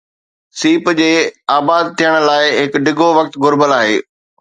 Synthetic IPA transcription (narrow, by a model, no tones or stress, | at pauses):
siːpd͡ʑeːaːbaːd̪̚t̪ʰijəɽ̃laːɪɦɪkɖɪɡʱoʋɐk̚t̪ɡʊɾbəlaːɦḛː